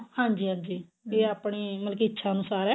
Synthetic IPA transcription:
hãːɲd͡ʒiːɦãːɲd͡ʒiː | eːaːpɳiːməlkiːɪtːʃʰaːənʊsaːɾɛː

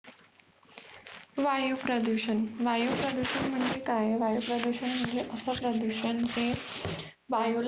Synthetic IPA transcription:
ʋajupɾəd̪uɕənʋajupɾəd̪uɕənm̤əɳd͡zekajʋajupɾəd̪uɕənm̤əɳd͡zeʔəsəpɾəd̪uɕənt͡se | ʋajul

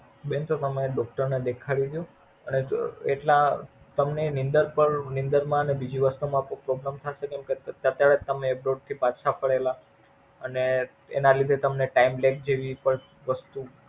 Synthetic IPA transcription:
bent̪ot̪əmeɖɔkʈəɾned̪ekʰaɭid̪jũ | əneḛʈla | t̪əmnenind̪əɾpəɾnind̪əɾmãənebid͡ʒiʋəst̪umãːpõpɾoɡɾamt̪ʰaʃekɛ̃mkeət̪jaɭet̪ːəmebɾoɖ̚t̪ʰipat̪ʃapəɭela | əne | ḛnalid̪ʱet̪əmneʈaimlek̚d͡ʒeʋipəɳ | ʋəst̪u

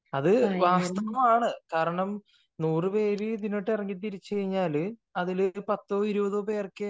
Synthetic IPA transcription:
ɐðɨʋaːst̪ɐʋɐmaːɳɨkaːɾɐɳɐm | nuːrɨpe̞ːɾɨd̪iniʈːirɐŋːit̪̬ːiɾit͡ɕːeɐjiɲːaːlɐðilpɐt̪ːo̞ːiɾubɐðoːpe̞ːrkːɨ

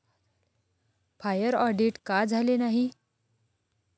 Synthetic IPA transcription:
fajəɾɔɖiʈkad͡zʱalenaɦi

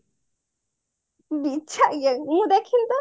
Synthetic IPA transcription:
bit͡ʃʰaʔjəŋmũd̪ekʰilt̪ɔ

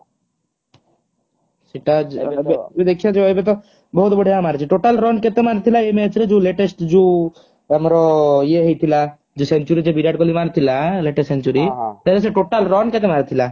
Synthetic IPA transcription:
siʈad͡ʒbed̪ekʰiad͡ʒeɔjbet̪ɔ | bɔɦut̪bɔɽ̤ʱijamaɾt͡ʃʰiʈoʈalɾɔnket̪emaɾt̪ʰilaemet͡ʃʰɾed͡ʒuleʈesʈd͡ʒu | əmɾɔjeɦejt̪ʰila | d͡ʒusent͡ʃuɾid͡ʒebiɾaɖkolimaɾt̪ʰilaleʈessent͡ʃuɾit̪eɾes̬eʈoʈalɾɔnket̪emaɾt̪ʰila

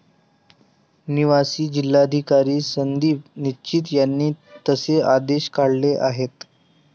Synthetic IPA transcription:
niʋasiːd͡ʑilːad̪ʱikaɾiːsənd̪iːpnit͡ɕiːt̪̬janːiːt̪əsead̪eɕkaɽleʔaɦet̪

